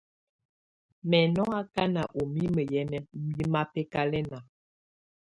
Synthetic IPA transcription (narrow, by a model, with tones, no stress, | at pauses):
mɛ˨nɔ˦a˦ka˦na˨ʔo˨mi˦mə˨jɛ˨˦ji˦ma˦pɛ˦ka˦lɛ˦na˨